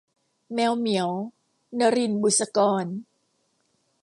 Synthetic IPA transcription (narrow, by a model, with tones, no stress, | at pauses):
mɛː˧wmi˩˦əw | na˧ɾi˧nbu˨˩sa˧kɔː˧n